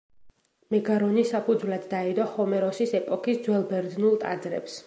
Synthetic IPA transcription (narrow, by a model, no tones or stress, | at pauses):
mɛɡaɾɔnisapʰud̪zwlad̪ːaɛd̪ɔhɔmɛɾɔsisɛpʼɔkʰisd̪zwɛlˠbɛɾd̪nulˠt̪ʼa̰d̪zɾɛ̰ps